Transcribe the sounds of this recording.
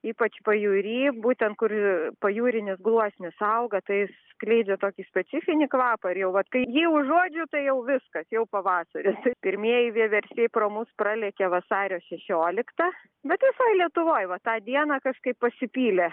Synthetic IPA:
iːpɐt͡ʃpɐjuɾʲiːbuːt̪ʲɛnt̪̚kʊrpɐjuːɾʲɪnʲɪsɡlˠuɔsʲnʲɪsɐʊɡɐt̪ɐɪssklʲɛɪd͡ʒʲɛt̪oːkʲiːsʲpʲɛt͡s̪ʲɪfʲɪnʲɪkʋɑːpɐɪrjɛʊʋɐt̪kɐɪjiːʊʒuɔd͡ʒʲʊt̪ɐɪjɛʊʋʲɪskɐsjɛʊpɐʋɑːsɐɾʲɪst̪ɐɪpʲɪɾʲmʲiɛjɪʋʲiɛʋʲɛɾʲsʲiɛproːmʊsprɑlʲɛkʲɛʋɐsɑːɾʲoːʃʲɛʃʲoːlʲɪkt̪ɑ | bʲɛt̪ʋʲɪsɐɪlʲiɛt̪ʊʋoːjʋɐt̪ɑːd̪ʲiɛnɑkɐʃkɐɪppɐsʲɪpʲiːlʲɛ

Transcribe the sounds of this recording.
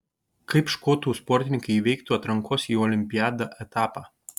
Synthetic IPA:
kɐɪpʃkoːt̪uːspɔɾʲt̪ʲɪnʲɪŋkɐɪiʋʲɛɪk̚t̪uːɐt̪ɾɐŋkʰoːsiːɔːlʲɪmʲpʲɪjæːd̪ɐʔɛt̪ɑːpɑː

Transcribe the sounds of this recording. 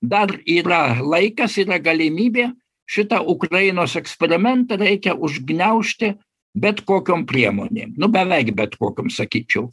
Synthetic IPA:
d̪ɐriːɾɐlˠɐɪkɐsiːɾɐɡɐlʲɪmʲiːbʲeː | ʃʲɪt̪ɐʔʊkɾɐjɪnoːsɛksʲpʲɛɾʲɪmʲɛnt̪ɐɾʲɛɪkʲɛʔʊʒʲɡnʲɛʊʃʲt̪ʲɪ | bʲɛt̪koːkʲoːmpʲɾʲiɛmo̰ːnʲḛːmnʊbʲɛʋʲɛɪkbʲɛt̪koːkʲoːmsɐkʲiːt͡ʃʲɛʊ

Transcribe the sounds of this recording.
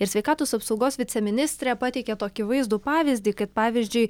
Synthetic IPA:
ɪɾsʲʋʲɛɪkɑːt̪oːsɐpsɒʊɡoːsʋʲɪt̪sʲɛmʲɪnʲɪsʲt̪ʲɾʲɛpɑt̪ʲɛɪkʲɛt̪oːkʲɪʋɐɪzd̪uːpɑːʋʲɪzʲd̪ʲiːkɐt̪̚pɑːʋʲɪzʲd͡ʒʲʊɪ

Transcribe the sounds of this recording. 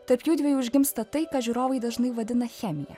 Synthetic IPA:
t̪ɐɾpjuːd̪ʲʋʲɛjuːʊʒʲɡʲɪmst̪ɐt̪ɐɪkɑʒʲuɾoːʋɐɪd̪ɐʒnɐɪʋɐd̪ʲɪnɐxʲɛmʲɪjɛ̰

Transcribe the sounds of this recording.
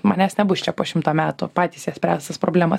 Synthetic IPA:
mɑnʲæːsnʲɛbʊst͡ʃʲɛpoːʃʲɪmt̪oːmʲæːt̪ʊpɑːt̪ʲiːsjiɛsʲpʲɾʲæːst̪ɐspɾoːbʲlʲæːmɐs

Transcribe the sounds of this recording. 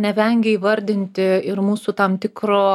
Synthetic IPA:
nʲɛʋʲɛŋʲɡʲɛiːʋɐɾʲd̪ʲɪnʲtt̪ʲɪɪɾmuːsuːt̪ɐmt̪ʲɪkɾoː

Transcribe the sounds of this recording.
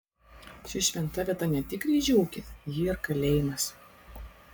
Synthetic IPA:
ʃʲɪʃʲʋʲɛnt̪ɐʋʲiɛt̪ɐnʲɛt̪ʲɪkɾʲiʒʲuʊkʲɪjɪɪɾkɐlʲeːjɪmɐs

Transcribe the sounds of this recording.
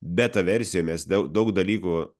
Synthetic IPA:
bʲɛt̪ɐʋʲɛɾʲsʲɪjoːmʲɛsd̪ʲɐʊd̪ɐʊkd̪ɐlʲiːku

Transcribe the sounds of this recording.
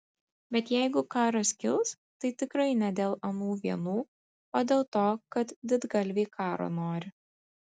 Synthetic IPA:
bʲɛt̪jɛɪɡʊkɑːɾɐskʲɪlˠs | t̪ɐɪt̪ʲɪkɾɐɪnʲɛd̪ʲeːlˠɐnuːʋʲiɛnuː | oːd̪ʲeːlˠt̪oːkɐt̪d̪ʲɪd̪ɡɐlʲʋʲeːkʰɑːɾo̰ːnoːɾʲɪ

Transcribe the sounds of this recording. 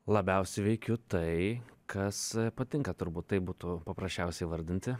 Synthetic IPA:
lˠɐbʲɛʊsʲɪʋʲɛɪkʲʊt̪ɐɪkʰɐspɐt̪ʲɪŋkɐt̪ʊɾbuːt̪t̪ːɐɪbuːt̪ʊpɐpɾɐsʲt͡ʃʲɛʊsʲɛɪʋɐɾʲd̪ʲɪnʲt̪ʲɪ

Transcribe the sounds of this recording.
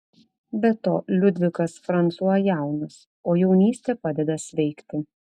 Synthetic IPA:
bʲɛt̪oːlʲʊd̪ʲʋʲɪkɐsfɾɐnt̪suɔjɛjæˑʊnɐs | oːjɛʊnʲiːsʲt̪ʲɛpɑːd̪ʲɛd̪ɐsʲʋʲɛɪkt̪ʲɪ

